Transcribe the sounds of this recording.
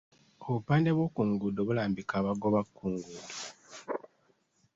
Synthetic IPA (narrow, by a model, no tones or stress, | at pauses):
oβupaːnde̞βwoːkuŋɡudoβulaːmbikaβaɡo̞βakʰːuːŋɡuːdo